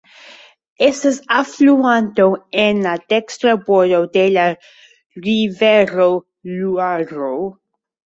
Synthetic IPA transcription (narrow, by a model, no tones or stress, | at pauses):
esesafluãnt̪oenlad̪̥ekst̪ɾaboɾod̪ela | riveɾo | luaɾo